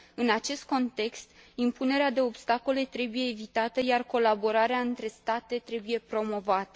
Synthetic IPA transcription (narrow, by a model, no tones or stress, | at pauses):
ɨnat͡ʃe̞st̪̚ko̞nt̪e̞kst̪impune̞ɾead̪e̞o̞bst̪ako̞le̞t̪ɾe̞buje̞ːvit̪at̪əjarko̞labo̞ɾaɾeaɨnt̪ɾe̞st̪at̪e̞t̪ɾe̞buje̞pɾo̞mo̞vat̪ə̥